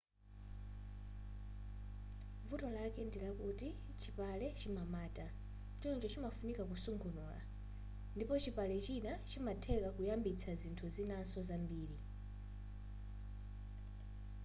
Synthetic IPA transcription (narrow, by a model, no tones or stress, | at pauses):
vutɔlakɛndilakuti | t͡ʃʰipalɛt͡ʃimamaːtʼa | t͡ʃɔnt͡ʃɔt͡ʃimafunikakusuŋɡʰunuːla̰ | ndipɔt͡ʃipalɛt͡ʃinat͡ʃʰimatʰɛkakujambit͡sʰazintʰuzinasɔzambiːɾi